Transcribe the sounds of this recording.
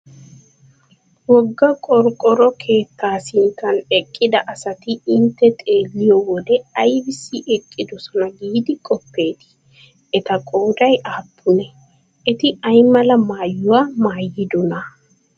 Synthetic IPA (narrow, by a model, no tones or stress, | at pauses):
wɔɡːɐkʼɔɾkʼɔɾɔkʰe̞ːt̪ːaːsɪŋkɐnɛkʼːɪd̪ɐʔɐsɐt̪ɪɪnt̪ːɛt̪ʼe̞ːlːɪjɔwɔd̪ɛɐjbɪsːɪʔɛkʼːɪd̪ʊsɔnɐɡiːd̪ɪkʼɔpːe̞ːt̪ɪ̥ | ɛt̪ɐkʼoːd̪ɐjʔaːbːʊnɛ | ʔɛt̪ɪɐjmɐlɐmaːjːʊwamaːjːɪd̪ʊnɐ